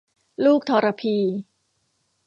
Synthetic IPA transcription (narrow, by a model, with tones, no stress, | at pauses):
luː˥˩k̚t̪ʰɔː˧ɾa˧pʰiː˧